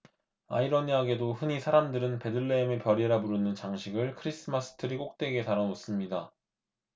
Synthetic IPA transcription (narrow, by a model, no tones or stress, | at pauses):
a̰iɾʌɲiaɡe̞doɸɯɲisʰaɾamdɯɾɯnpe̞dɯɭːe̞ːmepjʌɾiɾabuɾɯnɯnt͡ɕaŋɕʰiɡɯɭkʰɯɾis͈ɯmas͈ʰɯ̥tʰɯɾik͈ok̚t͈e̞ɡe̞taɾʌnos͈ɯmɲida